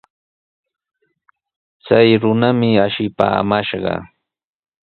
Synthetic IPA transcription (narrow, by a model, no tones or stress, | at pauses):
t͡sajɾʊnamɪaʃɪpa̰ːmaʃɢɑ̰